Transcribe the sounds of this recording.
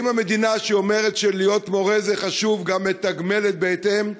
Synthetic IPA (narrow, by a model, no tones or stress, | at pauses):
imhame̞d̪inaʃeo̞me̞ʁe̞t̪ʃelijo̞t̪mo̞ʁezeχaʃuvɡamet̪aɡme̞let̪̚beːtem